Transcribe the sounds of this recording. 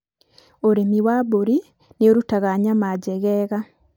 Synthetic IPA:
oɾemiwaβoɾi | nioɾutaɣaɲamaɟɛɣɛɣa

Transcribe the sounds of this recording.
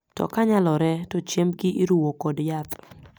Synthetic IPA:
tɔ̰kaɲalɔɾɛtɔt͡ʃemɡɪʔiɾuwokɔdjat̪

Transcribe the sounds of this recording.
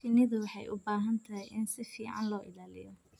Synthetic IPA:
ɪnɪðʊwɑħɑjʔʊ̰baːɦɐnt̪ʰɐɦɛjʔɪnsɪfiːʕɑ̰nlɔːʔɪlaːlɪ̰jɔ

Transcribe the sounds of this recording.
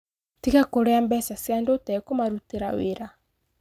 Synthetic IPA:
tikakoɾɛambɛsasjandotɛkomaɾuteɾaweɾa

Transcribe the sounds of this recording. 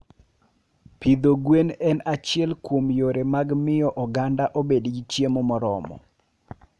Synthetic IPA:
pid̪oɡwenɛnat͡ʃɪɛlkwomjoɾemaɡmɪjɔʔɔɡandaʔobedɡit͡ʃjemɔmɔɾɔ̰mɔ̰

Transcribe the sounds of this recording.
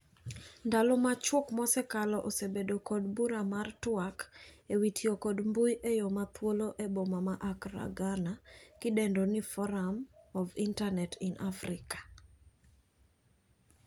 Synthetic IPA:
ndalɔmat͡ʃwokmɔsɛkalɔʔosebedokɔdbuɾamartwakewitʰjokɔdmbujʔejomat̪woloʔebomamaʔakɾa̰ɡanakɪdɛndonifɔɾamɔvintanɛtɪnʔafɾɪkḁ

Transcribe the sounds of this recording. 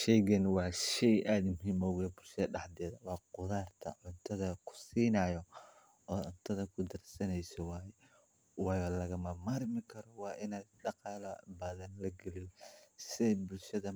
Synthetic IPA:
ʃɛjɣɛnwɑːʃɛjʔaːd̪mʊɦiːmɔɣɛbʊlʃɐðɐɖɑħd̪ɛːðɐwɑːqʊðaːrt̪ʰɐ̰ʕʊnt̪ʰɐðɐkʰʊ̥siːnɐjɔ | ɔːʕʊnt̪ʰɐðɐkʰʊd̪ɐrsɐnɛjsɔwɑːjɛ | wɑːjɔːlɐɣɐmɐmarmɪkʰɐɾɔwɑːʔɪnaːd̪ɖɑqɑːlɐbɐːðɐnlɐɡɛlɪjɔsɪɛbʊlʃɐðɐ

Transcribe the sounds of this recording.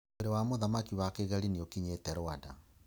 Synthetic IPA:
eɾewamoðamakiwakeɣaliniokiɲetɛɾoada̰

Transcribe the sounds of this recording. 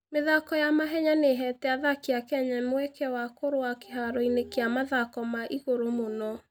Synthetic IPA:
meðakɔjamaɦɛɲaneɦɛtɛaðakeakɛɲɛmwɛkɛwakoɾoake̥ɦaɾɔinekeamaðakɔmaʔiɣoɾomonɔ

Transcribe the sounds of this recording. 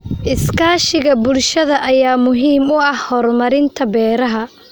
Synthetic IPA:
ʔɪskʰaːʃɪɣɐbʊlʃɐðɐʔɐjaːmʊɦiːmʊɐhhɔːrmɐɾɪnt̪ʰɐbɛːɾɐɦɐ

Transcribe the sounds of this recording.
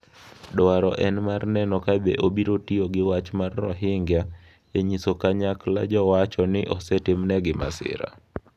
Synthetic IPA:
dɔaɾɔʔɛnmarnɛnɔkabḛʔobiɾotioɡɪwat͡ʃmarːɔ̰ɦɪŋɡja | eɲisokaɲakla̰d͡ʒɔwat͡ʃɔnɪʔɔsɛtɪmnɛɡɪma̰sɪ̰ɾa̰

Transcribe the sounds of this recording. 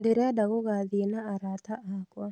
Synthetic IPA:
deɾɛadaɣoɣaðienaːɾataʔakwa

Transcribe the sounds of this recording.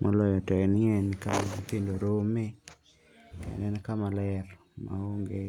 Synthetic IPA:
mʔɔlɔjɔtɔɛnɪɛnika̰tendoɾome | ɛ̰nɛnkamalɛr | ma̰oŋɡe

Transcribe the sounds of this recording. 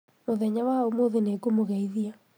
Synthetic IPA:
moðɛɲawaomoðenekomoɣɛiðia

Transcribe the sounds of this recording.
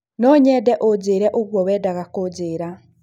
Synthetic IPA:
nɔɲɛːdɛʔod͡ʑeːɾɛʔoɣwɔwɛːdaɣakod͡ʑeːɾa

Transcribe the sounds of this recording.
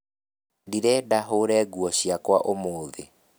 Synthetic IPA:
diɾɛːdaɦoɾɛːɡuɔɕiakwaʔomoːðe

